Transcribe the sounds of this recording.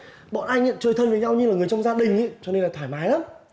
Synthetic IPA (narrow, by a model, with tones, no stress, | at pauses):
ɓɔ̰˧˨nʔaː˧jŋɲə̰˧˨nt͡ɕəː˧˩jt̪ʰə˧nvəː˨˦ɲa˧wɲɨ˧laː˨˩ŋɨ˨˩əjt͡ɕɔ˧wŋ͡mzaː˧ɗï˨˩ŋ̟i˧˦t͡ɕɔ˧ne˧nlaː˨˩t̪ʰwaː˧˩jmaː˨˦jlaː˨˦m